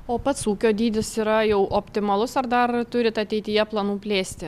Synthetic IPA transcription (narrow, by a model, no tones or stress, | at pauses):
oːpɐt̪suːkʲoːd̪ʲiːd̪ʲɪsiːɾɐjɛʊʔoːpʲt̪ʲɪmɐlˠʊsɐɾd̪ɐɾt̪ʊɾʲɪt̪ɐt̪ʲɛɪt̪ʲɪjɛplˠɐnuːpʲlʲeːsʲt̪ʲɪ